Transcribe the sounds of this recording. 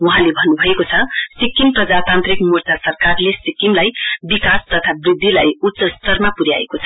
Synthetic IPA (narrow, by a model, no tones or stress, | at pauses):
wuɦãlebʱʌnːubʱʌekot͡sʰʌsikːimprʌd͡zat̪ant̪rikmurt͡sasʌrkarlesikimlajbikast̪ʌt̪ʰabrid̪ʱːila̰jusʌst̪ʌrmapuɾja̰ḛkot͡sʰʌ̥